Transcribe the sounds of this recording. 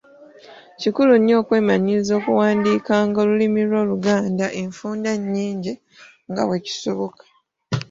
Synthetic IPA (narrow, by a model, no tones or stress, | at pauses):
cikulunjo̞ːkwe̞ːmaɲiizo̞ːkuwaːndiːkaːŋɡolulimiɾwo̞ːluɡaːndaʔeɱfuːndaɲːiːɲɟe | ŋɡa̰we̞ci̥soβokḁ